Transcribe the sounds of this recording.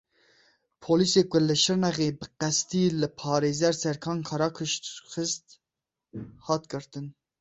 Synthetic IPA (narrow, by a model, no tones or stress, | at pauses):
pʰoliseːkʷʊlɨʃɨɾnɛɣeːbɨqɛst̪iːlɨpʰɑːɾeːzɛɾsɛɾkʰɑːnkʰɑɾɑkʰɨʃt̪xɨst̪ | hɑːt̪̚ɡɨɾt̪ɨn